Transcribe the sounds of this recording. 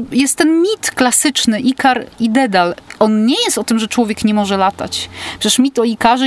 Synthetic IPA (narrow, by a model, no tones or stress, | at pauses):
jɛst̪ːɛnmʲit̪klasɘt͡ʂnɘʔikaɾid̪ɛd̪alɔnɲɛjɛst̪ɔt̪ɘmʐɛt͡ʂwɔvʲjɛkɲɛmɔʐɛlat̪a̰t͡ɕpʂɛt͡ɕɛʂmʲit̪ɔikaʐɛ